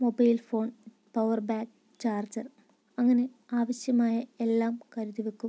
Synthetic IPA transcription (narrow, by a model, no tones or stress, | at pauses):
mobɐjlfo̞ːn | pɐʋɐrbaːk̚ | t͡ɕaːrd͡ʑɐr | ɐŋːɐne̞ | aːʋɐɕjɐmaːjɐe̞lːaːmkɐɾuðiʋekʲːum